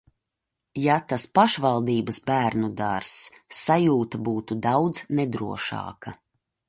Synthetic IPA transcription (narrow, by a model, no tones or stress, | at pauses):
jat̪aspaʃvalˠd̪iːbəsbæːɾnud̪aɾsː | ajuːt̪abuːt̪ud̪awd̪z̥nɛd̪ɾuɔʃɑ̰ːka